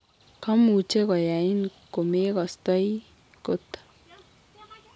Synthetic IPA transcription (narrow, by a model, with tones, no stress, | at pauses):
kʰɔ˦mu˨t͡ʃe˦kɔ˨ja˨i˦nko˨me˦kɔ˨st̪ɔ˦j | ko˦t̪